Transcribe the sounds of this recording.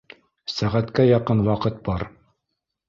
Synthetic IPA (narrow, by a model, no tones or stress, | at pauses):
sæʁæt̪kæjɑqɤnwɑqɤt̪̚bɑɾ